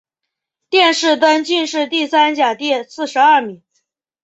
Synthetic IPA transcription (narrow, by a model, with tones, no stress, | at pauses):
t̪jɛ˥˧nʂɻ̩˥˩t̪ə˥nt͡ɕy˥˧nʂɻ̩˥˧t̪i˥˩sa˥nt͡ɕja˨˩t̪jɛ˥˧sɹ̩˥˩ʂɻ̩˧˥ɐ˥˩mi˨˩˥ŋ